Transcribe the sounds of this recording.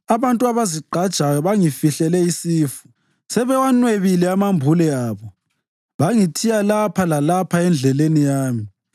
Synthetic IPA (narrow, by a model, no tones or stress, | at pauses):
aβantʼuaβaziǃʱad̥ʒ̥ʱajɔβaŋifiɬɛlɛisiːfu̥ | sɛβɛwanweβilɛamambʱulɛaːβɔ | βaŋitʰijalapʰalalapʰaɛnd͡ɮʱɛlenijaːmi